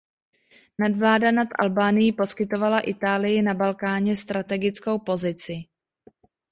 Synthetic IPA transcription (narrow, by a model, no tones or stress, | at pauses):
nadvlaːdanat̪ʔa̰lbaːnɪjipo̞skɪt̪o̞valaʔɪt̪aːlɪjɪnabalkaːɲɛst̪ɾat̪ɛɡɪt͡sko̞wpo̞zɪt͡sɪ